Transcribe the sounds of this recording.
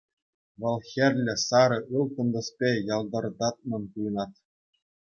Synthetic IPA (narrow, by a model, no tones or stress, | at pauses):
ʋɤ̆lˠxʲĕrʲlʲɘ̆sɑɾɤ̆ʔɯlˠk̪ɤ̆nd̪ɤ̆spʲejɑlˠd̪ɤ̆rd̪ɑt̪̚mɤ̆npujnɑt̪